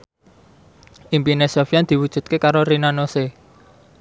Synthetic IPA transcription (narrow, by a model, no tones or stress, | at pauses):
ʔimpinesofiand̪̥i̤wud̥ʒ̥ṳt̪̚kekaɾoɾinanose